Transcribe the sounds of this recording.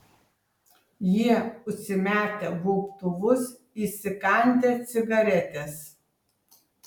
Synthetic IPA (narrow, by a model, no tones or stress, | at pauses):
jiɛʊʃʲsʲɪmʲæːt̪ʲɛbupt̪ʊʋʊs | iːsʲɪkɐnʲt̪ʲet̪sʲɪɡɐɾʲɛt̪ʲes